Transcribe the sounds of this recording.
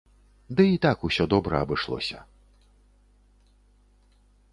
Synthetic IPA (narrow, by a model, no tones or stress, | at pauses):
d̪ɨit̪akusʲɔd̪ɔbɾɐɐbɨʂlˠɔ̰sʲɐ̰